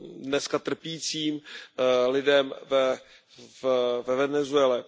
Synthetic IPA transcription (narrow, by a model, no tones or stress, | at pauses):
dnɛskat̪r̩piːt͡siːm | lɪdɛmvɛ | vvɛvɛnɛzuɛlɛ